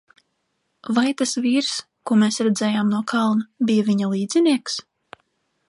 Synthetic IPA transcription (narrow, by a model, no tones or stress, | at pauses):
vajt̪asviːɾs | kuɔmeːsɾɛd̪zɛːjaːmnuɔkʰalˠnabijaviɲalˠiːd̪z̥ʲiniɛks